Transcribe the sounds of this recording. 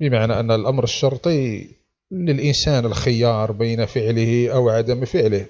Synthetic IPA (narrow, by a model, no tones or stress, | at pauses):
bəmaʕnæʔənːælʔamɾəʃːɑɾˤt̪ˤi | ləlʔənsænəlxɪjɑɾˤbijnafəʕləhiʔawʕad̪əmfəʕləh